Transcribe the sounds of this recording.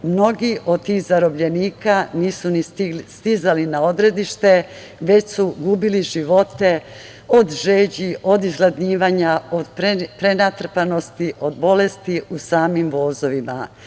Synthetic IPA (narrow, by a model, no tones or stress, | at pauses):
mno̞ɡiʔo̞d̪̚t̪iːxzaɾo̞bʎe̞niːkaniːsunist̪izalinao̞d̪ɾe̞d̪iʃt̪e̞ | ʋe̞t͡ɕsuɡuːbiliʒiʋo̞t̪e̞ | od̪ʒe̞ːd͡ʑiʔo̞d̪izɡlˠad̪ɲiːʋaːɲaod̪ppɾenat̪r̩pano̞st̪iʔo̞d̪̚bo̞le̞st̪iusaːmimʋo̞ːzo̞ʋima̰